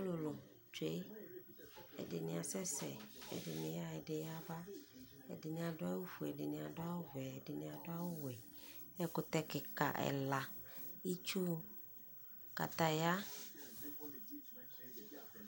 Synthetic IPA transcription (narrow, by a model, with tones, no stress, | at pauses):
a˦lo˨lo˨m | t͡ʃe˦ | ɛ̰˨ɖɪ˨nɪ̃˨a˨sɛ˦sɛ̰˨ɛ̰˨dɪ˨nɪ̃˨ja˦ɛ˨ɖɪ˨ja˦ba˦ɛ̰˨dɪ˨nĩ˨a˨ɖʊ˦a˦wu˦fu˨ɛ˨ɖɪ˨nĩ˨a˨ɖʊ˦a˦wo˦vɛ˨ɛ˨ɖe˨nĩ˨a˨do˦a˦wo˦wɛ˨ɛ˦kʊ˨t̪ɛ˦kɪ˨ka̰˨ʔɛ̰˨la˨ji˦t͡ʃu˦ | ka̰˨t̪a˨ja˦